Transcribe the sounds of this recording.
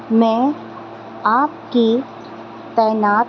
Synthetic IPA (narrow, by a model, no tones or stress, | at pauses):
mɛ̃ː | aːp̚ki | t̪ɛːnaːt̪